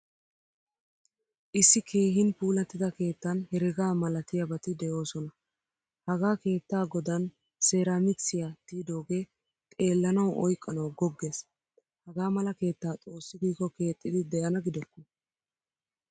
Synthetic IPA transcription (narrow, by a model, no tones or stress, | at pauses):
ʔɪsːɪkʰeːɦɪnpuːlɐt̪ːɪd̪ɐke̞ːt̪ːɐnhɛɾɪɡaːmɐlɐt̪ɪjɐbɐt̪ɪd̪ɛjo̞ːsɔnɐ | hɐɡaːke̞ːt̪ːaːɡɔd̪ɐn | se̞ːɾamɪsɪjat̪iːd̪o̞ːɡe̞ː | t̪ʼe̞ːlːɐnɐwʔɔ̰jkʼːɐnɐwɡɔɡːe̞ːs | hɐɡaːmɐlɐke̞ːt̪ːaːt͡sʼo̞ːsːɪɡiːkːɔke̞ːt̪ʼːɪd̪ɪd̪ɛjɐnɐɡɪd̪ɔkːɔ̥